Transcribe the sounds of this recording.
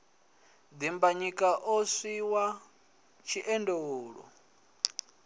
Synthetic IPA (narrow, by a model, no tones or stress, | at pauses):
d̪imbaɲikʼaʔosiwa | t͡ʃʰiʔɛndɛwoːɺɔ̰